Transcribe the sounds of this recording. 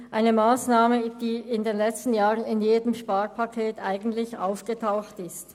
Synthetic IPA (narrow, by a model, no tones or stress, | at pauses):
ʔaɪnəmaːsnaːməd̥iːɪndeːnlɛt͡stn̩jaːʁənɪnjeːdəmʃpaːʁpʰakʰeːtʔaɪɡn̩tlɪça̰ʊfɡ̥ətʰaʊxtɪst